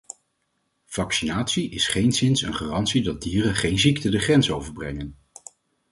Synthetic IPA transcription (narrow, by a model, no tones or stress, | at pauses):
v̥ɑksinaːtsiʔɪsχejnsɪnsə̰nχaːrɑntsidɑd̚diːrənχejnziktədəχrɛnsowvəɹbrɛ̰ŋən